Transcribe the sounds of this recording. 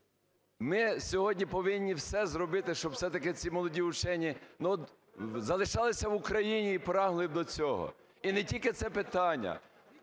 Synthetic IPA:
mɪsʲɔɦɔdʲnʲipɔʋɪnʲːiwsɛzɾɔbɪt̪ɪʃt͡ʃɔb̥sɛt̪ɐkɪt͡sʲimɔlˠɔdʲiʊt͡ʃɛnʲːinuɔt̪ | zɐlˠɪʃɑlˠɪsʲɐʋʊkɾɐjinʲiːpɾɑɦlˠɪbd̪ɔt͡sʲɔɦɔ̰ | inɛtʲilʲkɪt̪sɛpɪt̪ɑnʲːɐ̰

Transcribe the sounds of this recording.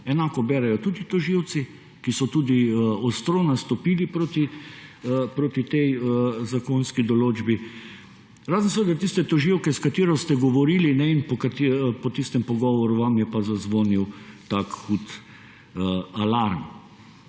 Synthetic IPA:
ɛnaːkɔbɛːɾɛjɔt̪uːd̪it̪ɔʒiwt̪si | kisɔt̪uːd̪iɔst̪ɾonast̪ɔpiːlipɾoːt̪i | pɾoːt̪it̪ɛjzakonskid̪ɔloːd͡ʒbi | ɾaːzən̩saʋed̪at̪ist̪ɛt̪ɔʒiwkɛskat̪iːɾɔst̪ɛɡɔʋɔɾiːlinɛinpɔkat̪ipɔt̪ist̪ɛmpɔɡɔːʋɔɾuʋamjɛpazazʋoːniwt̪akxut̪ | alaɾm

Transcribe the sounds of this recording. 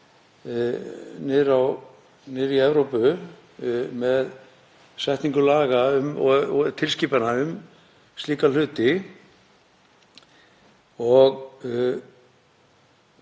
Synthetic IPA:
nɪðɾaw | nɪːɾiɛvɾowpʏ | mɛð | sɛht̪niŋkʏlaːɣaʏmɔt̪ʰɪlsciːpanaʏm | st̪liːkal̥ʏːt̪ɪ | ɔɣ

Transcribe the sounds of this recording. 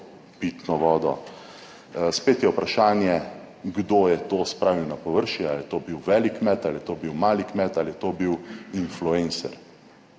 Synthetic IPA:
pit̪nɔʋɔːd̪ɔ̰ | speːt̪jɛupɾaʃaːnjɛ | ɡd̪oːjɛt̪oːspɾaːʋiwnapɔʋəɾʃialjɛt̪oːbiwʋɛːlikmɛt̪aljɛt̪oːbiwmaːlikmɛt̪aljɛt̪obiwinfluensɛ̰ɾ

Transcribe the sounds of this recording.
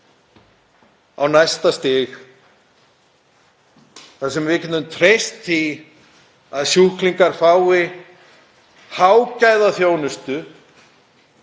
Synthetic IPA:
a̰wnajst̪ast̪ɪx | θasɛmvɪːcɪnʏmt̪ʰɾejst̪θi | aðsjuhkliŋkaɾfaːwɪ | hawcaːjðaθjoːwnʏst̪ʏ

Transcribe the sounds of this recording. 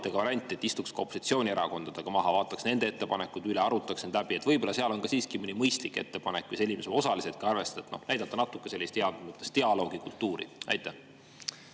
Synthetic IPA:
t̪ːˑeɡ̥ɑvɑɾɑnʲt̪ʲːˑie̞t̪ːist̪ukskɑopːˑosit̪sio̞ːnʲieɾɑko̞nd̪̥ɑd̪̥eɡ̥ɑmɑɦɑvɑːt̪ːˑɑksne̞nd̪ee̞t̪ːe̞pɑnekːˑud̪̥yleɑɾut̪ːˑɑksend̪læbiet̪vɤjb̥o̞lɑseɑlo̞nɡɑsiːskiminʲːimɤjst̪likːˑe̞̰t̪ːe̞pɑnekːvijse̞lʲimesoosɑliset̪̚kɑɑrve̞st̪ɑ̥t̪et̪no̞̰hnæjd̪̥ɑt̪ːɑnɑt̪ːˑukːˑe̞se̞lʲːist̪heɑd̪ɡut̪ːˑest̪eɑlo̞ːɡikult̪ːuːɾḭɑ̰jt̪ːˑæ

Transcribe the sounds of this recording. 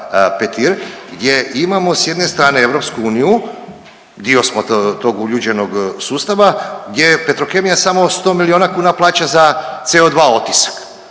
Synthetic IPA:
pet̪iɾɡd̪ʲje̞ʔimamo̞sje̞d̪ne̞st̪ɾaːne̞eʋɾo̞pskuuːniju | d̪io̞smot̪o̞ɡuʎud͡ʒe̞no̞ɡsuːst̪aʋaɡd̪ʲje̞pe̞t̪ɾo̞ke̞mijasamo̞st̪o̞ːmilio̞ːnakuːnaplˠaːt͡ɕazat̪se̞o̞d̪ʋaːo̞t̪isḁk

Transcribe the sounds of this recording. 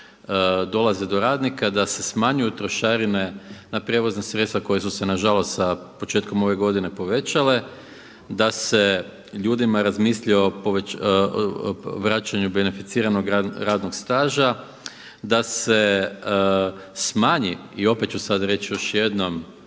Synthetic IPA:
d̪o̞lazed̪o̞ɾaːd̪nikad̪ase̞smaɲujut̪ɾo̞ʃaːɾinenapɾjeʋo̞znasɾet̪t̪ʋako̞jesuse̞naʒalo̞st̪sapot͡ʃe̞t̪ko̞mo̞ʋe̞ɡo̞d̪ine̞po̞ʋe̞t͡ʃale̞ | d̪ase̞ | ʎuːd̪imaɾazmiːsʎio̞poʋe | ʋɾat͡ʃaɲube̞ne̞fit̪siːɾano̞ɡaɾaːd̪noɡst̪aːʒa | d̪ase̞ | smaːɲiio̞pe̞t̪̚t͡ʃusad̪ɾe̞t͡ʃjo̞ʃje̞d̪no̞m

